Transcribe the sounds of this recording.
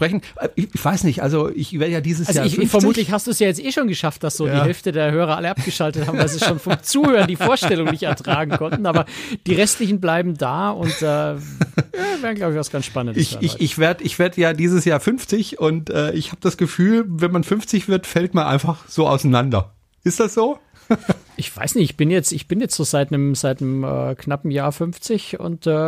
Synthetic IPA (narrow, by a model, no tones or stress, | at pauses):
pʁ̥ɛçn̩ʔɛʔɪçv̥aɪsnɪçtʔa̰lzoʔɪçveːɐdəjaːdiːzəsalzoçfɛɐmuːtlɪçhastd̥uːsjaːjɛt͡stʔeːʃoːnɡəʃaft̚d̥asz̥oːdiːhɛlftədeːɐhøːʁ̞ɐʔa̰ləʔapp̚ɡ̥əʃaltəthaːmmvaɪlziːsʃoːnfɔmmt͡suːhøːʁɐndiːfoːɐʃtɛlʊŋnɪçtɛɐtʁ̥aːɡŋ̩kʰɔntn̩ʔaːbɐd̥iːʁɛstlɪçn̩blaɪbm̩daːʊntd̥aː | jaːvɛːʁnɡlaʊbɪç̥asɡ̥ansʃpanəndɪsça̰ɪ̰ɪçv̥eːɐdəɪçv̥eːɐdəjaːdiːzəsjaːɐfʏnft͡sɪçʊntʔɛːʔɪçhaːbəd̥asɡ̥əfyːlvɛnmanfʏnft͡sɪçv̥ɪɐtfɛltmanʔa̰ɪnfaχz̥oːʔa̰ʊsanandɐ | ʔɪstd̥asz̥oː | ʔɪçv̥a̰ɪsnɪçtɪçb̥ɪnjɛt͡stɪçb̥ɪnjɛt͡stz̥oːzaɪtnəmzaɪtnəmɛ̰ːknapm̩jaːɐfʏnft͡sɪçʊ̰ntɛː